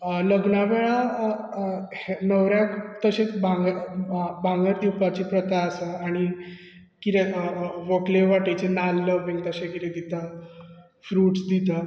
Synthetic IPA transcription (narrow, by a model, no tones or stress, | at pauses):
ləɡnaʋeɭa | nəwɾjãkt̪əɕẽt͡sbʱaŋɡ | bʱãŋɡəɾd̪iwpat͡ɕipɾət̪aːsəaɽ̃i | kit̪eʋəkleʋaʈet͡ɕenalːəbĩŋt̪əɕẽkit̪ẽd̪it̪a | fɾuːʈsd̪it̪a